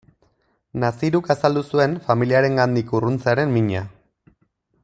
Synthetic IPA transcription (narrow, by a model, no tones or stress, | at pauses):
nasiɾukasald̪usue̞nfamiliaɾe̞ŋɡand̪ikurunt͡saɾe̞mmiɲa